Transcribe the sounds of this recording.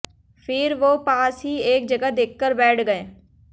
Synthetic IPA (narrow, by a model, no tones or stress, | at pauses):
fʰɪɾʋoːpaːsɦieːk̚d͡ʒəɡad̪ekːəɾbɛːʈʰɡəẽː